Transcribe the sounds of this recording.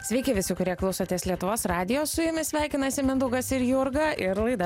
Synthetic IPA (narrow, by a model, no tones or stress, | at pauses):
sʲʋʲɛɪkʲɪʋʲɪsʲʊkʊɾʲiɛklˠɐʊsoːt̪ʲeɛslʲiɛt̪ʊʋoːsɾɑːd̪ʲɪjoːssʊjɪmʲɪsʲʋʲæˑɪkʲɪnɐsʲɪmʲɪnd̪ʊɡɐsɪɾjʊɾɡɐʔɪɾlˠɐɪd̪ɐ